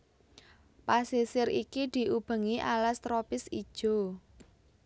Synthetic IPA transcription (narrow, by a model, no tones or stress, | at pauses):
pasisɪɾikid̪̥i̤ʔub̥ə̤ŋiʔalast̪ɾopɪsid̥ʒ̥o̤